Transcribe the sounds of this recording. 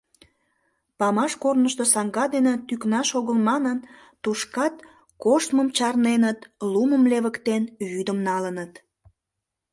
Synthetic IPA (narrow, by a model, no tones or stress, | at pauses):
pɑmɑʃkornəʃt̪osɑŋɡɑd̪enĕt̪yknɑʃoɣəlmɑnən | t̪uʃkɑt̪ | koʃt̪məmt͡ɕɑrnenət̪luməmleβəkt̪enβyd̪əmnɑlənət̪